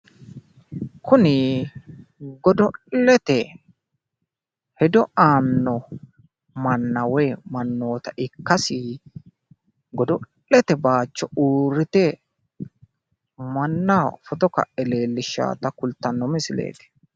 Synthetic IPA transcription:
kʊnɪ | ɡɔd̪ɔlɛt̪ɛ | hɛd̪ɔʔaːnːɔ | mɐnːɐwɛːmɐnːo̞ːt̪ɐʔɪkːɐsɪ | ɡɔd̪ɔlːɛt̪ɛbaːt͡ʃːɔuːɾːɪt̪ɛ | mɐnːafɔt̪ɔkɐ̰ʔɛle̞ːlːɪʃa̰ːt̪ɐkʊlt̪ːɐnːɔmɪsɪlḛːt̪ɛ̥

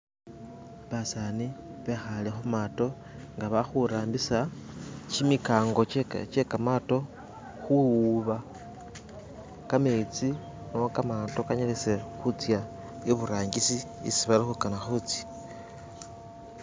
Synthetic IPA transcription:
βasaniβexalexumato̞ | ŋɡaβaxuɾaːmbisat͡ʃimikaːŋɡo̞t͡ʃe̞kamato̞ | xuuβa | kamet͡si | no̞kamato̞kaɲalise̞xut͡sja | iβuɾaːŋɡisiḭsiβalixukanaxut͡si̥

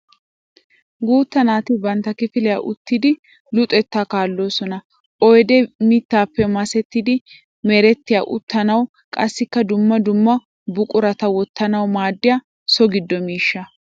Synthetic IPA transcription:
ɡuːt̪ːɐnaːt̪ɪbɐnt̪ːɐkɪfɪlɛja̰ʔʊt̪ːɪd̪ɪ | lʊt̪ʼɛt̪ːakaːlːo̞ːsɔnɐ | ʔɔjd̪ɛmɪt̪ːaːpːɛmɐsɛt̪ːɪd̪ɪ | mɛɾɛt̪ːɪjaʔʊ̰t̪ːɐnɐw | kʼɐsːɪkːɐd̪ʊmːɐd̪ʊmːɐ | bʊkʼʊɾɐt̪ɐwɔt̪ːɐnɐwmaːd̪ːɪja | sɔɡɪd̪ːɔmiːʃːɐ

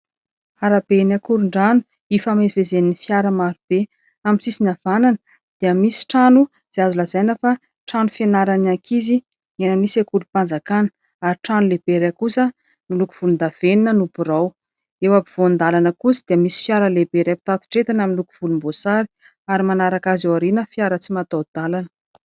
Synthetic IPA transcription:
aɾabenakuɾuɳɖ͡ʐanu̥ | ifamezvezeninifjaɾəmaɾub̥e | aminsisinav̥ananə̥ | d̪̥iəmisi̥ʈ͡ʂanu | z̥eazulazajnəfa | ʈ͡ʂanufenaɾanakʰizi | ɲenəmisekulupand͡zakanə̥ | aɾiʈ͡ʂanuleb̥eɾekusə | miluku̥v̥ulund̪av̥eninənubuɾaw | ewabiv̥oand̪alanəkusəd̪̥iəmisi̥fjaɾəlebeɾepit̪at̪i̥ʈ͡ʂet̪anaminluku̥v̥ulumbosaɾi̥ | aɾimanaɾakazewaɾinəfjaɾət͡simat̪awd̪̥alanə̥

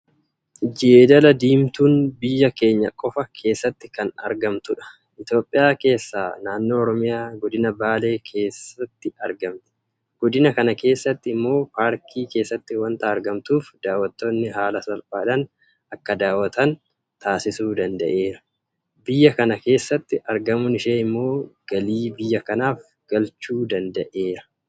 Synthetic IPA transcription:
d͡ʒeːd̪ɐlɐd̪iːmt̪uːnbɪjːɐke̞ːɲːɐkʼɔfɐkʰe̞ːsːɐt̪ːɪkɐnɐ̰ɾɡɐmt̪ʊᶑɐ̥ | ʔɪt̪jo̞ːpʼːɪjaːke̞ːsːa̰ːnaːnːo̞ːɔɾɔmɪjaːɡɔd̪ɪnɐbaːle̞ːkʰe̞ːsɐt̪ːɪɐɾɡɐmt̪ɛ̥ | ɡ̥ɔd̪ɪnɐkɐnɐke̞ːsːɐt̪ːɪɪmːo̞ːpaːɾkʰiːke̞ːsːɐt̪ːɪwɐnt̪ɐɐɾɡɐmt̪uːfd̪̥aːwːɐt̪ːoːnːɪɦaːlɐsɐlpʼaːᶑɐn | ɐkːɐd̪aːwːɐt̪ɐn | t̪ʰaːsɪsuːd̪ɐnd̪ɐ̰ʔe̞ːɾɐ | bɪjːɐkɐnɐke̞ːsːɐt̪ːɪʔɐɾɡɐmʊnɪʃeːɪmːo̞ːɡ̥ɐliːbɪjːɐkɐnaːf | ɡ̥ɐlt͡ʃuːd̪ɐnd̪ɐʔe̞ːɾɐ

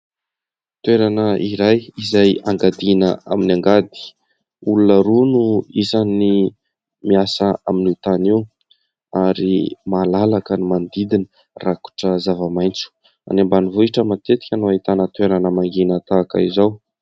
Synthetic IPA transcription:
t̪weɾanəiɾajizajaŋɡad̪inəa̰minaŋɡad̪i̥ | ulunəɾunuizani | miasəaminut̪aniw | aɾḭmalalakənimand̪id̪inə | raku̥ʈ͡ʂəzavəmajnt͡su̥ | a̰nembanivuiʈ͡ʂəmat̪et̪i̥kʲənuait̪anət̪weɾanəmaŋɡinət̪aːkə̰izaw

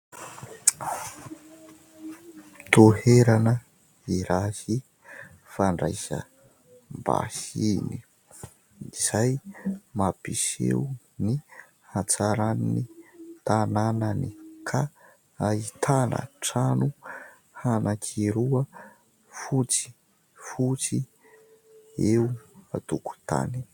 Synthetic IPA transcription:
t̪oheɾanə | iɾasi | faɳɖ͡ʐajsə̰ | mba̰sini | iz̥ajmapisḛwu | ni | hant͡saɾaninit̪anananikʰa | ait̪ʰanə̰ʈ͡ʂanu | hanakʰiɾuə | fut͡si̥ | fut͡si | euat̪uku̥t̪a̰ni̥

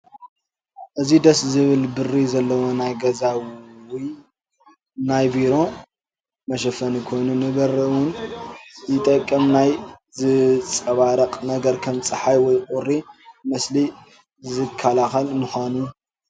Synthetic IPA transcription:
ʔɨzid̪ɐszɨβɨlbɨrːizɐlːɐwonajɡɐzawi | najbiɾo̞ | mɐʃɐfɐnkʰo̞jnunɨbɐɾɐwʊn | jɪt̪ʼɐkʼːɐmnajzɨt͡sʼɐβaɾɐqʼnɐɡɐɾkʰɐmt͡sʼɨħajwɔjqʼʊrːimɐsli | zɨkʰːalaxɐlmuxʷanu

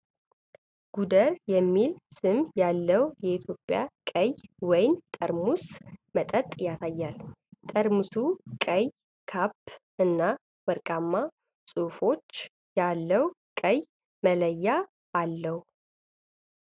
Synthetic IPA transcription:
ɡ̥ud̪əɾjɛmːilsɨmjalːəwjɛit̪ʰjo̞pʼːja̰kʼəjwɔjnt̪ʼəɾmusmət̪ʼət̪ʼjasajːalt̪ʼəɾmusukʼəj | kʰapːʔɨnːa | wəɾkʼamːa | sʼufo̞t͡ʃː | jalːəwkʼəj | mələjːaː | lːəhu

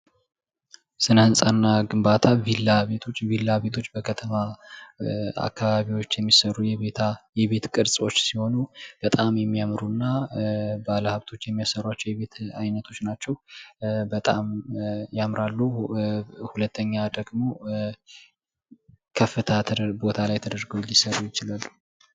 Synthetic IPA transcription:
sɨnəɨnsʼanːaɡɨmbat̪ʰavilːaβe̞t̪ʰo̞t͡ʃːvilːaβe̞t̪ʰo̞t͡ʃːbəkʰət̪ʰəma | a̰kʰːaβaβiwo̞t͡ʃːjɛmːisəɾujɛβet̪ʰajɛβe̞t̪kʼɨɾsʼo̞t͡ʃːsiho̞nub̥ət̪ʼamjɛmːijamɾunːabaləhaβt̪ʰo̞t͡ʃːjɛmːijasəɾat͡ʃːɛwjɛβe̞t̪ajnət̪ʰo̞t͡ʃːnat͡ʃːɛwbət̪ʼamjamɾalːu | hulət̪ʰːəɲːad̪əɡmo̞ | kʰəfːɨt̪ʰat̪ʰbo̞t̪ʰalajt̪ʰəd̪əɾɡəwlɪsəɾujɪt͡ʃɪlalːu

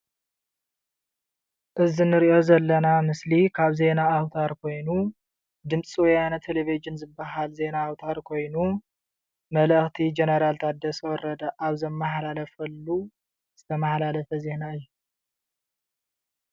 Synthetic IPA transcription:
ʔɨzinɨɾiʔo̞zɐlːɐnamɨslikʰaβze̞naːwt̪ʰaɾkʰo̞jnu | d̪ɨmsʼiwjanat̪ʰelevid͡ʒɨnzɨbːaɦalze̞naːwt̪ʰaɾkʰo̞jnu | mɐləxt̪ʰid͡ʒenɐɾalt̪ʰad̪ɐswɔɾɐd̪ɐʔaβzɐmːaħlalɐfɐlːu | z̥ɨt̪ʰɐmaħlalɐfɐze̞naɨjːu

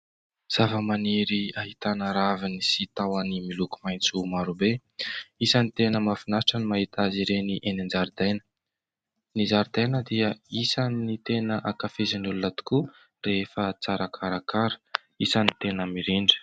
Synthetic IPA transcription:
z̥avəmaniɾiaɦit̪anəɾavinisit̪awənimiluku̥majnt͡sumaɾube | isənit̪enəmafinaʈ͡ʂənimaɦit̪aziɾeniʔenind͡ʒaɾid̪ajnə | nizaɾid̪ajnəd̪iəisanit̪enəʔakafezanulunat̪u̥ku | reefət͡saɾakʰaɾakʰaɾə̥ | isanit̪enəmiɾiɳɖ͡ʐə̥

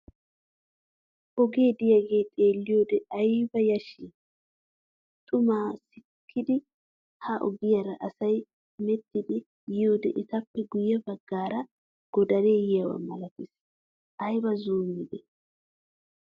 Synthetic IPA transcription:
ʔɔɡe̞ːd̪ɪjɐɡeːt̪ʼe̞ːlːɪjoːd̪ɛɐjbɐjɐʃi | t̪ʼʊmaːsɪkʰːɪd̪ɪ | hɐʔɔ̰ɡɪjɐɾɐʔɐsɐj | mɛt̪ːɪd̪ɪ | jɪjoːd̪ɛ̰ʔɪt̪ɐpːɛɡʊjːɛbɐɡːaːɾɐ | ɡ̥ɔd̪ɐɾe̞ːjɪjɐwɐ̰mɐlɐkɪs | ʔɐjbɐzuːmːɪd̪ɛ

